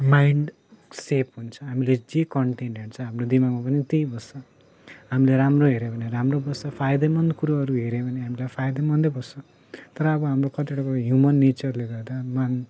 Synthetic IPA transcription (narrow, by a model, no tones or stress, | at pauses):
majɳɖ | sepʰɦunt͡sʰʌɦamiled͡zekʌɳʈenɖeɳʈt͡sʰʌ̃ɦamrod̪imaɡmapʌnit̪ejbʌsʌ | ɦamileɾamroɦeɾebʱʌneramrobʌsʌpʰajd̪ʌmʌnd̪kuɾoʌɾuɦeɾebʱʌneɦamilajpʰajd̪emʌnd̪ʌbʌsʌ | t̪ʌɾʌːbʌɦamrokʌʈeɽʌkʌɦjumʌnːet͡sʌrleɡʌrd̪aman